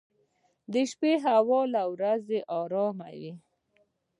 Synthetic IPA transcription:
d̪əʃpeɦawɔlawɾazeʔɑɾɑma̰wi

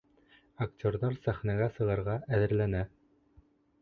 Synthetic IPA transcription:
ɐktʲorðɑɾsæχnæɡæsɤ̆ʁɤ̆ɾʁɑʔæðɘ̆ɾlænæ

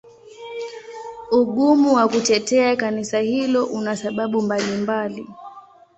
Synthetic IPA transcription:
uɠumuwakutɛtɛakanisahilɔʔunasaɓaɓumbalimbali

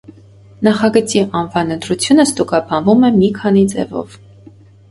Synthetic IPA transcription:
nɑχɑɡət͡siʔɑnvɑnənd̪ɾut͡sʰjunəst̪ukɑbɑnvumɛmikʰɑnid͡zɛ̰vɔ̰v

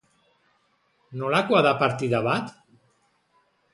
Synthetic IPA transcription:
nolakwaðapaɾt̪iðaβat̪

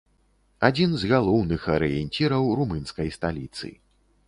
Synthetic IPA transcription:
ad͡zʲinzɣalˠɔwnɨxɐɾɨjɛnʲt͡sʲiɾɐwrumɨnskɐjst̪alʲit̪sɨ̰

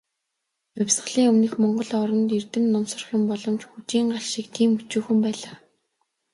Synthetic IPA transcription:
ʊwʲsɢə̆ɮiːŋɵmnɘ̆xmɔɴɢɞ̆ɮɔɾɞ̆nt̪irt̪ɘ̆nnːɔmsɞ̆rχjʊmpɔɮɞ̆mt͡ɕxut͡ɕiːŋɢaɮʃikt̪ʰiːmut͡ɕuːxɘ̆mpæːɮaː

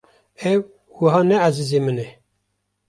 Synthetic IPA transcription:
ɛw | wəɦɑːnɛʕazizemɨnɛ

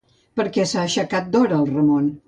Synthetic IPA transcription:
pəɾkɛsaəʃəkat̪̚d̪oɾəːlˠrəmon

